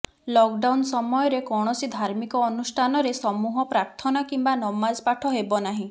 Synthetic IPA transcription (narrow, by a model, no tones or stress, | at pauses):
lɔkɖawnsɔmɔjɔɾekɔɽ̃ɔsid̪ʱaɾmikɔːnusʈʰanɔɾesɔmuɦɔpɾaɾt̪ʰɔnakimbanɔmːazpaʈʰɔɦebɔnaɦĩ